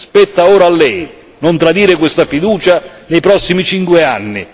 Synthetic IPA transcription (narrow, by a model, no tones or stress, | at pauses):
spɛt̪ːaoːɾaːlːɛj | nont̪ɾad̪iːɾɪkwest̪afid̪uːt͡ʃa | nejpɾɔsːimit͡ʃiŋkwɪanːɪ